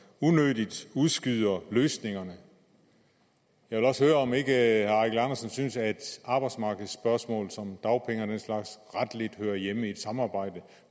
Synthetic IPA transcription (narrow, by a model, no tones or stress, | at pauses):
unød̥id̥uðˠsɡ̥yð̰ˠɐløːsne̝ŋɐnə | jɑ̈ɪʋelɒ̽shøːɐɒ̽me̝ɡ̥əhæɑɡ̥lɑnɐsənsynsæɐe̝d̥ɑ̈ːb̥ɑ̈ɪd̥smɑ̈ːɡ̥ð̩ˠsːb̥ɶɐsmɔ̰̽ːlsɒ̽md̥ɑ̈ʊpʰeŋəd̥enslɑ̈ɡ̥sʁad̥led̥høːɐjeməied̥sɑ̈mɑ̈ːb̥ɑ̈ɪ̰d̥ə